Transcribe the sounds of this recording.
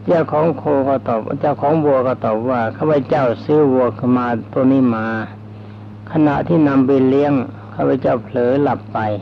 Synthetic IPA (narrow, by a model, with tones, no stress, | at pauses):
t͡ɕaː˧˩˨wkʰɔː˨˦ŋkʰoː˧kɔː˧˩t̪ɔː˨˩p̚t͡ɕaː˧˩wkʰɔː˨˦ŋwu˧əkɔː˧˩t̪ɔː˨˩p̚waː˧˩kʰaː˧˥˩pʰa˧˩t͡ɕa˥˩wsɯː˧˥˩wu˧əkʰmaː˧t̪u˧niː˧˥˩maː˧ | kʰa˧na˧ʔt̪ʰiː˥˩na˧mbi˧li˧˥əŋ | kʰaː˧˥˩pʰa˧˩t͡ɕa˥˩wpʰlɤː˨˦la˨˩pːa˧j